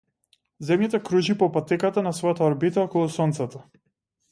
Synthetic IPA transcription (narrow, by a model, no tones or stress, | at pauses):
zɛmjit̪ɛkɾuʒipɔpat̪ɛkat̪anasvɔjat̪aaɾbit̪aɔkɔlˠusɔnt̪sɛt̪a